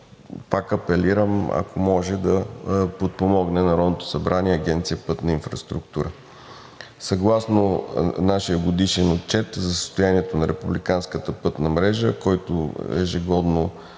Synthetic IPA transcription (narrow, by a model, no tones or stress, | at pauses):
pakɐpɛliɾəmɐ̰kʰomɔʒɛd̪ɐpot̪̚pomɔɡnɛnɐɾɔd̪not̪o̥sɐbɾʔaniɛɐɡʲɛnt̪sijəpɤt̪nɐinfɾɐst̪ɾukt̪uɾə | sɐɡlˠasnonaʃijəɡod̪iʃɛnot̪̚t͡ʃɛt̪zɐsə̥st̪ʊjaniɛt̪onɐɾɛpublikanskət̪əpɤt̪nɐmɾɛʒəkɔjt̪ʊ̰ɛ̰ʒɛɡɔd̪no